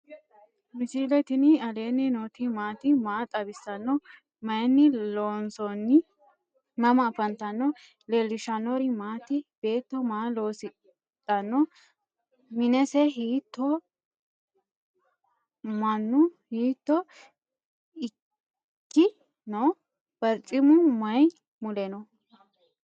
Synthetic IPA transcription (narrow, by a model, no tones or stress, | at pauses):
mɪsiːlɛt̪ɪnɪɐle̞ːnːɪnoːt̪ɪmaːt̪ɪmaːt̪ʼɐbɪsːɐnːɔ | mɐjɛnːɪloːnsɔnːɪ | mɐmɐfɐnt̪ɐnːɔ | lɛlːɪʃɐnɔɾɪmaːt̪ɪb̥e̞ːt̪ːɔmaːlo̞ːsɪ | t̪ʼːɐnːɔ | mɪnɛsɛɦiːt̪ːɔ | mɐnːʊhiːt̪ːɔ | ɪ | kːɪ | no | b̥ɐɾt͡sʼɪmʊmɐj | mʊlɛnɔ